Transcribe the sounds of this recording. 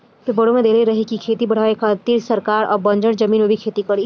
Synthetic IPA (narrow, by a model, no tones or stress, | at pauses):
pɪɾbɐɽõmẽd̪eːleɾɐɦekikʰeːt̪ibɐɽ̤aːekʰat̪iːɾsɐɾkaːɾɔ̰ːɾbɐ̃ɲd͡ʒəɽd͡ʒɐmiːnwebʱikʰeːt̪ikɐɽi